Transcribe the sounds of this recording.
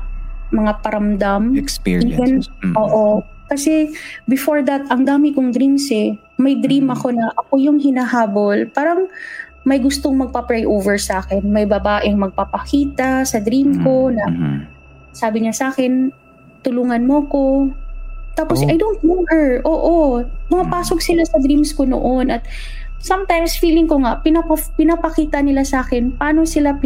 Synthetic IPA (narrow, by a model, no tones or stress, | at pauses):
mɐŋapɐɾɐmd̪amknɛnʔoːʔokɐsɛbɪfoɹd̪ɐt̪ʔɐŋd̪aːmɪkoŋd̪ɾimsɛ | mɐjd̪ɾimɐko̞nɐʔɐko̞jʊŋɦɪnaɦaːbolpaːɾɐŋ | mɐjɡʊst̪oŋmɐɡ̚pɐpɹajʔowvɛɹsɐaːkɛnmɐjbɐbaːʔɪŋmɐɡ̚papɐkiːt̪ɐsɐd̪ɾimko̞nɐ | saːbɪɲasʔaːkɛn | t̪ʊluːŋɐnmoɐko̞ | t̪aːposɐjd̪ownt̪̚mɛvɛɹʔoːʔomɐŋɐpaːsoɡ̚sɪlasɐd̪ɾimskono̰ʔonʔɐt̪̚ | sɐmt̪ajmsfiːlɪŋkoŋaʔpɪnɐpɐpɪnɐpɐkiːt̪ɐnɪlasʔaːkɛnpɐaːno̞sɪlap